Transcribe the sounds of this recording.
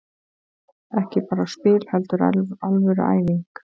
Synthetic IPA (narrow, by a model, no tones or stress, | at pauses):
ɛhcɪpaːɾaspɪːlhɛlt̪ʏɾalvʏɾa̰ːjviŋk